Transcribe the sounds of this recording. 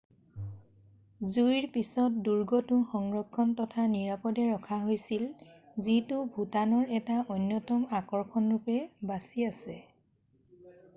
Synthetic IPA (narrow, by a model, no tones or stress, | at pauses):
zuiɹpisɔt̚duɹɡɔtʊxɔŋɹɔkʰːɔntɔtʰaniɹapɔdɛɹɔkʰaɦojsil | zitʊbʱutanɔɹɛtaʔɔjnːɔtɔmakɔɹkʰɔnɹupɛbasiasɛ